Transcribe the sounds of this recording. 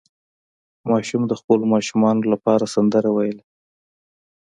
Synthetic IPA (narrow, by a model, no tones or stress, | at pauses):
mɑʃumd̪əxpəlomɑʃumɑnolapɑɾasand̪əɾawajəla